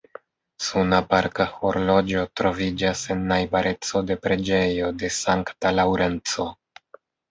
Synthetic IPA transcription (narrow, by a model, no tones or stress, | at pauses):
sunapaɾkahoɾlo̞d͡ʒo̞tɾo̞vid͡ʒase̞nːajbaɾʔe̞t͡so̞de̞pɾe̞d͡ʒe̞jo̞de̞saŋktalawɾe̞nt͡so̞